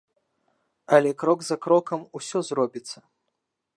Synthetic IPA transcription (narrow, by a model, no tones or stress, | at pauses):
ɐlʲɛkɾɔɡzɐkɾɔkɐmusʲɔzrɔbʲit̪sːɐ